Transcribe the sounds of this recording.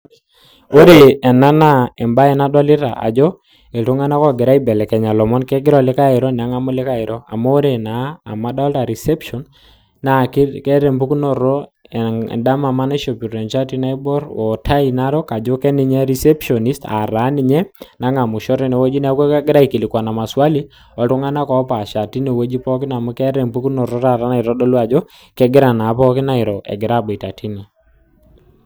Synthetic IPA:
o˦ɾe˨ɛ˨na˦na˦ɛ˨mba˦ɛ˦na˦dɔ˦lɪ˦ɾa̰˨ʔa̰˨d͡ʒɔ˦ | e˨tu˦ŋa˦na˦kɔ˦˨ɡɪ˨ɾa˦i˦bɛ˨lɛ˨kɛ˨ɲa˨lɔ˨mɔ˦nkɛ˦ɡɪ˦ɾɔ˨lɪ˦ka˦ɪ˨ɾɔ˦n˨a˨˦ŋa˦mʊ˦lɪ˦ka˦ɪ˨ɾɔ˦a̰˨mɔ˦o˦ɾe˨naː˨˦˨ma˦dɔ˦lta˨ɾi˨sɛ˦pʃɔ˨nː | a˨ki˦kɛ˦ɾɛ˨mbu˦knɔ˦ɾɔ̰˦˨ | da˦ma˨ma˦na˦ʃo˨pi˨ɾɛ˨nt͡ʃa˦ti˦na˦i˦bɔ˦ɾwɔ˨tʰa˦i˨na˦ɾɔ˦ka˨d͡ʒo˦kɛ˦nɪ˦ɲɛ˦ɾi˦sɛ˦pʃɔ˨ni˦sta̰˨ɾa˨˦nɪ˨ɲɛ˦na˦ŋa˨mʊ˨ʃɔ˦ɾɛ˦nɛ˨wɔ˦d͡ʒi˦n˦a˨˦kwɛ˦kɛ˦ɡɪ˦ɾa˦i˨ki˨lɪ˨kwa˨na˨ma˨swa˦li˦ | ɔ˨˦tʊ˦ŋa˦na˦kɔ˨˦pa˨ʃa˨ti˦ne˨wo˦d͡ʒi˦pɔ˦k̬ɪ˦na˨mu˦kɛ˦ɾɛ˨mbu˦ku˦nɔ˨rɔ˦ɾa˨ɾa˦na˨ɪ˨ɾɔ˦dɔ˦lu˦a˨d͡ʒɔ˦ | kɛ˦ɡɪ˦ɾa˨na˨˦pɔ˦kɪ˦na˦ɪ˨ɾɔ˨ɛ̰˨ɡɪ˨ɾa˦˨be˨ta˨ti˦nɛ˨

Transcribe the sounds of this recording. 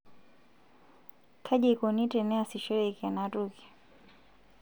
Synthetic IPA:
kʰa˦ʄɛ˦kɔ˨ni˦tɛ˨nɛ˦a˨si˨ʃɛ˦ɾɛka˨natuki̥˨

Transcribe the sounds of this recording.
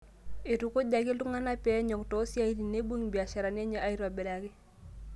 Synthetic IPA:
e˨tu˨˦ko˦da˨ɡɪ˦ltu˦ŋa˦na˦pɛ˦ɲɔ˨ktɔ˨˦si˦a˦i˦ɾi˨ne˦bu˦ŋbi˨a˨ʃa˨ɾa˨n˦a˦ɲa˦˨ʔa˦i˦ɾa˨bɛ˨la˨kɪ˦

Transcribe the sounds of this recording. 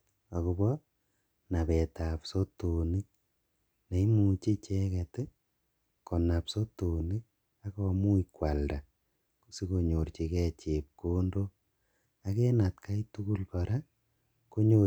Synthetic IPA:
a˨ku˨˧bɔ | na˨pɛ˨ta˨pso˦to˨ni˦k̚ | na˨i˦mu˨t͡ʃi˦t͡ʃɛ˦kɛ˨tɪ˦ | kɔ˨na˨pso˦to˨ni˦k̚ | a˦kɔ˦mu˦ikwa˨lda˨ | kusi˦ko˨ɲo˨rt͡ʃi˨kɛ˦t͡ʃe˨p̚ko˦ndo˦ | a˨kɛ˦na˨tkʰa˦itu˦ku˦lpaɾa˦ | ko˦ɲo

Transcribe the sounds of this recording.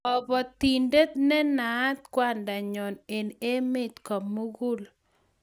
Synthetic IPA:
ɔ˨bɔ˨t̪i˨nde˦t̪nɛ˦na˨˦t̪̚kwa˦nda˨ɲɔ˨ne˨ne˦mɪ˦t̪kɔ˨mːu˦ɡu˦l

